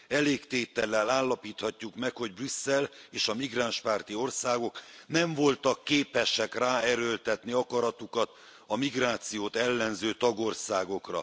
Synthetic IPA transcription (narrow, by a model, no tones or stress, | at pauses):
ɛleːkt̪eːt̪ɛlːɛlaːlːɒpiːt̪hɒcːukmɛkho̞ɟbrysːɛleːʃɒmiɡraːnʃpaːrt̪io̞rsaːɡo̞knɛɱvo̞lt̪ɒkːeːpɛʃɛkraːɛɾølt̪ɛt̪niɒkɒɾɒt̪ukɒt̪ | ɒmiɡraːt̪sijoːt̪ɛlːɛnzøːt̪ɒɡo̞rsaːɡo̞krɒ̰